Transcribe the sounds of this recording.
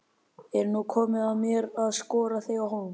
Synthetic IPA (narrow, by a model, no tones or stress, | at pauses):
ɛɾnukʰɔːmɪðaðmjɛɾaðskɔːɾaθejawhoː